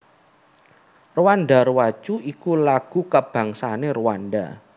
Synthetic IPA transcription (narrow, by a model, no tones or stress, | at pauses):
ruwanɖaɾuwat͡ʃuikulaɡ̥ṳkəb̥ä̤ŋsaneruwanɖa̰